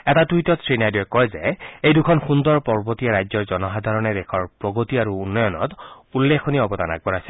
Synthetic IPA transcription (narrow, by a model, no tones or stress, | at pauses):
ɛtatujtɔtsɹinajdiɛkːɔjzɛejdukʰɔnxundɔɹpɔɹbotijaɹajzɔɹzɔnɔxadʱaɹɔnɛdɛkʰɔɹpɹɔɡotiaɹuːnːɔjɔnɔ̰tulːekʰoniaɔbɔdana̰ɡ̚bɔɹasɛl